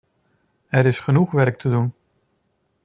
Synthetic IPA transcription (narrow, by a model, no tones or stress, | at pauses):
ɛɾɪsχənuχʋɛɾk̚tʰədun